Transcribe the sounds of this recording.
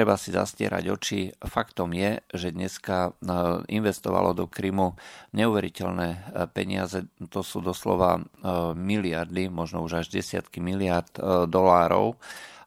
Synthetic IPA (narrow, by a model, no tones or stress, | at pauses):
ɾɛbasiza̰scɪɛ̰ɾa̰ɟɔt͡ʃifakt̪ɔmjɛʒɛd̪ɲɛska | inʋɛst̪ɔʋa̰lʔɔd̪ɔkɾiːmuɲɛuʋɛɾicɛlnɛːpɛɲɪ̰azɛt̪ɔsuːd̪ɔslɔ̰ʋa̰ | milɪaɾd̪imɔʒnɔuʒaʒɟɛsɪat̪kimilɪaɾd̪d̪ɔlaːɾɔ̰ʊ